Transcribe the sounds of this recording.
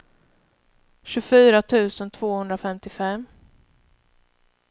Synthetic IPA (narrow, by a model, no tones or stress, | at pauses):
ɕɵfyːɾat̪ʰʉ̟ːsənt̪ʰv̥oːhɵnd̪ɾafɛmt̪ɪfɛmː